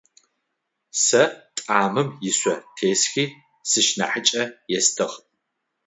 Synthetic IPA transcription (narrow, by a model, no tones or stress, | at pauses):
sɐtʼaːmɨmjɪsʷɔtʰeːsxiː | sɨʃna̰ħət͡ʃʼɐjɛstʰɨʁ